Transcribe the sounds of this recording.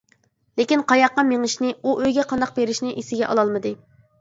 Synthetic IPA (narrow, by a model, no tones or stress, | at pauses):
lekʲinqʰɑjɑqːɑmeŋɪʃnɪuʔøjɡʲɛqʰɑnd̪ɑq̚beɾɪʃnɪʔisɪɡʲɛʔɑ̰lˠɑlˠmɨd̪ɨ